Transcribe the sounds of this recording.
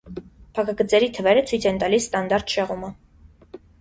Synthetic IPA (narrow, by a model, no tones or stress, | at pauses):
pʰɑkʰɑɡət͡sɛɾit̪ʰəvɛɾət͡sʰujt͡sʰɛnt̪ɑlisst̪ɑnd̪ɑɾt̪ʃɛʁumə